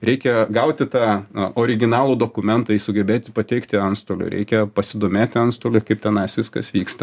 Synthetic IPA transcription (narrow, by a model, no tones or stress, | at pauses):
ɾʲɛɪkʲɛɡɐʊt̪ʲɪt̪ɑːoːɾʲɪɡʲɪnɑːlˠuːd̪oːkʊmʲɛnt̪ɐisʊɡʲɛbʲeːt̪ʲɪpɐt̪ʲɛɪkt̪ʲɪɐnst̪oːlʲʊ̰ɾʲɛ̰ɪkʲɛpɐsʲɪd̪oːmʲeːt̪ʲɪɐnst̪oːlʲʊkɐɪp̚t̪ʲɛnɐɪsʋʲɪskɐsʋʲiːkst̪ɐ